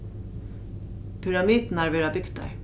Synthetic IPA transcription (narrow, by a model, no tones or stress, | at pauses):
pʰʏɹɑmiːd̪n̩æɹʋeːɹabʏɡd̪a̰ɹ